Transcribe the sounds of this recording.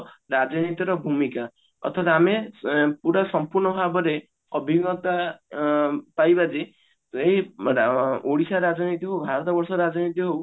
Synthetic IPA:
ɾad͡ʒɔnit̪ɔɾɔbʱumika | ɔ̰t̪ʰat̪amepuɽasɔmpuɾnɔbʱabɔɾe | ɔbʱiɡɔt̪a | pajbad͡ʒe | eɦi | oɽisaɾad͡ʒɔnit̪iɦowbʱaɾɔt̪ɔbɔɾsɔɾad͡ʒɔnit̪iɦow

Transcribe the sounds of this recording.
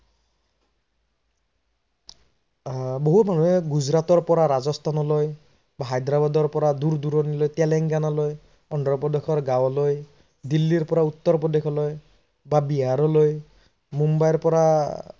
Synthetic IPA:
boɦutmanuɦɛɡud͡ʒɾat̪ɔɹpɔɾaɾazɔst̪ʰanɔloj | baɦajd̪ɾabad̪ɔɹpɔɾad̪uɾd̪uɾɔnilojt̪ɛlɛŋɡanaloj | ɔndɔpɔd̪ekʰɔɹɡawloj | d̪ilːiɾpɔɾaut̪ːɔɾɔpɔd̪ekʰɔloj | babiɦaɾɔloj | mumbajɔɾpɔɾa

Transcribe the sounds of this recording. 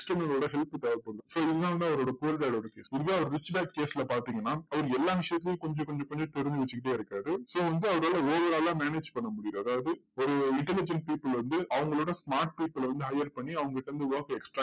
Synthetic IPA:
sʈɐnɐoːɽɐɦɛlpt̪ɐʋɐɾpɐɽɯŋɡɐsoːɪðnãːʋɐnd̪ɯɐʋɐɾoːɽɐkːɐlɪʈɐːloːɽɐkeːsɪðɯʋeːɐʋɐɾɯɾɪt͡ʃːbaːk̚keːsɪlɐpaːɾt̪iːŋɡɐnːaːɐʋɐɾɯɛlːaːʋɪʂjɐt̪ːɪlɪjʊ̃kɔɲd͡ʒõkɔɲd͡ʒõkɔɲd͡ʒõt̪ɛɾɯnd͡ʒ̪ɯʋɛt͡ʃːɯkɪʈ̬ːeːɪɾɯkːaːɾɯsoːʋɐnd̪ɯɐʋɐɾoːlɐoːʋɐɾaːlãːmeːneːd͡ʒpɐɳːɐmʊɽɪjʊɐðaːʋɐðɯɔɾɯɪɳʈɛlɪd͡ʒɛɳʈ̚piːpːɪlʋɐnd̪ɯʔɐʋɐŋɡɐɭoːɽɐsmaːɾʈ̚piːpːɪlʋɐnd̪ɯɦɐjɐɾpɐɳːiɐʋɐŋɡɐkɪʈːɐʋɐnd̪ɯʋaːkɛksʈɾaː

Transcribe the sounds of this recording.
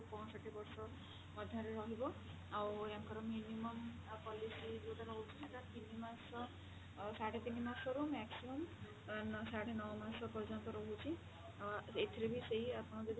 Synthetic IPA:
pɔ̃saʈibɔɾsɔ | pɔd̪ʱaɾeɾɔɦibɔ | aweaŋkɔɾɔminimɔm | pɔlisid͡ʒeʈaɾɔɦut͡ʃʰiseʈat̪inimasɔ | saɽet̪inimasɔɾumɛksimɔm | ansaɽenɔwɔmasɔpɔɾd͡ʒɔnt̪ɔɾɔɦut͡ʃʰi | et̪ʰiɾebiseɦiapɔɽ̃ɔd͡ʒɔd̪i

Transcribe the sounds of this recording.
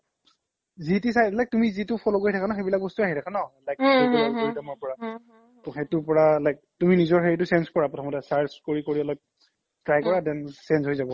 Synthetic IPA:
zitisajlajk̚tumizitʊpʰɔlokoɹitʰakʰanɔxejbilak̚bɔstuaɦitʰakʰanɔlajk̚ɔbɔlɔlkoɹidamɔɹpɔɹa | ɔxetʊɹpɔɹalajk̚tuminizɔɹxeɹitʊsenskɔɹapɹɔtʰɔmɔtɛsaɹskoɹikoɹiɔlɔk̚ | tɹajkɔɹadɛnsensɦojzabɔ

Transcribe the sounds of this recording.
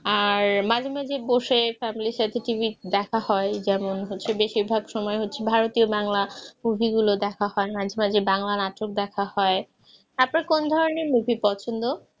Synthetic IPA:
aɾmad͡ʑʱemad͡ʑʱeboʃefɛmiliʃat̪ʰeʈibid̪ɛkʰahɔed͡ʑɛmonɦotːɕʰebeʃiɾbʱaɡʃɔmɔeɦotːɕʰebʱaɾot̪iobaŋlamubʱiɡulod̪ɛkʰahɔemad͡ʑʱemad͡ʑebaŋlanaʈok̚d̪ɛkʰahɔe | apnaɾkond̪ʱɔɾoneɾmubʱipɔt͡ɕʰond̪o

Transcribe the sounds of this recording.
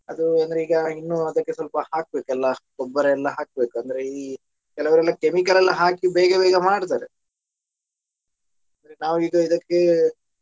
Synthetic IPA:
ɐd̪uɐnd̪ɾeiːɡɐinːuɐd̪ɐkːesʋɐlpɐhaːk̚be̞ːkɛlːɐ̥ | ɔbːɐɾeːlːɐɦaːk̚be̞ːkuɐnd̪ɐɾeii | kɛlɐʋɐɾɛlːɐkemikɐlɛlːɐɦaːkibɛːɡɐbɛːɡɐmaːɖt̪̬aːɾe | ɐnd̪ɐɾenaːʋuiːɡɐid̪ɐkːe

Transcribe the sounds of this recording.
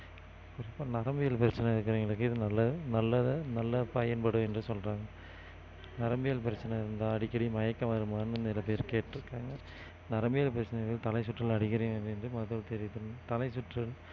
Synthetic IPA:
kʊɾɪpːaːnɐɾɐmbɪjɐlpɪɾɐt͡ʃːɐnɐɪɾɯkːɪɾɐʋiːŋɡɐɭɯkːɯɪðɯnɐlːɐnɐlːɐnɐlːɐpɐjɐnpɐɽɯ̃ɛndrɯsɔlraːŋɡɐ | nɐɾɐmbɪjɐlpɪɾɐt͡ʃːɐnɐɪɾɯnd̪aːɐɽɪkːɐɽimɐjɐkːɐmɐɾɯmaːnɯɪnd̪ɐnɪlɐpeːɾkeːʈːɪɾɯkːaːŋɡɐ | nɐɾɐmbɪjɐlpɪɾɐt͡ʃːɐnɐʋɪlt̪ɐlɐɪsʊʈrɐlɐɽɪkːɐɾɐj̃ɛnd̪ɯɛndrɯmɐðɐlt̪ɛɾɪðɯnt̪ɐlɐɪsʊʈrɐl

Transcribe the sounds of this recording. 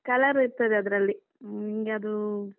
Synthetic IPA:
kɐlɐɾiɾt̪ɐd̪eɐd̪ɐɾɐlːi | iŋɡeɐd̪u

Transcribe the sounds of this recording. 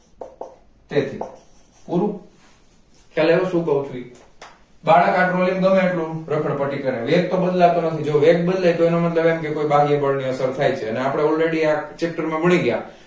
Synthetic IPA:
t̪et̪ʰḭ | puɾu | kaleʋuʃũkəɦũt͡ʃʰui | baɽakaʈɾolimɡəmẽeʈlũɾəkʰəɽ̃pəʈikəɾeʋek̚t̪obəd̪lat̪onət̪ʰid͡ʒoʋek̚bəd̪lejt̪oenomət̪ləbemkekoibaɡebəɭniəsəɾt̪ʰajt͡ʃʰeəneapɽ̃eɔlɾeɽiat͡ʃek̚ʈəɾmãbəɽ̃iɡja̰

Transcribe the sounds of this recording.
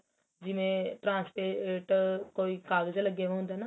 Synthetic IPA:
d͡ʒɪʋẽʈɾãːnspeʈkoːiːkaːɡəd͡ʒləɡːeːʋãɦʊ̃nd̪aːnaː

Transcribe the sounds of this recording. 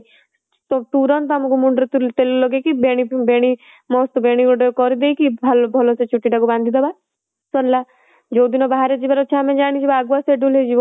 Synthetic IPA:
tɔt̪uɾɔnt̪amukumuɳɖɾet̪ut̪elulɔɡekibeɽ̃ibeɽ̃i | mɔst̪beɽ̃ikɔɖɔkɔɾid̪ejkibʱalbʱɔlɔset͡ʃʰuʈːiʈakuband̪ʱid̪ɔba | sɔnla | d͡ʒod̪inɔbaɦaɾed͡ʒibaɾɔt͡ʃʰamed͡ʒaɽ̃it͡ʃʰibaɡuaseɖuled͡ʒibɔ

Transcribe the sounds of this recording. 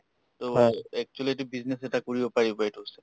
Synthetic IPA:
toɛk̚t͡ʃualit̬ibiznesɛtakoɹibɔpaɹibaɛtuɦosɛ̥

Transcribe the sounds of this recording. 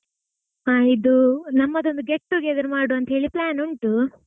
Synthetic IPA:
ɦaːid̪unɐmːɐd̪o̞nd̪uɡeʈːuɡeɡ̪ɐɾmaːɽuɐnt̪ɐɦe̞ːɭiplaːnuɳʈu

